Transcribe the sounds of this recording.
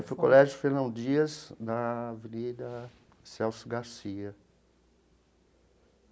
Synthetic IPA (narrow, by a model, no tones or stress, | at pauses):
fojkolɛʒʊfeɾnɐ̃nd͡ʒiɐzd̪ɐvenid̪ɐ | sɛwsʊɡaɾsiɐ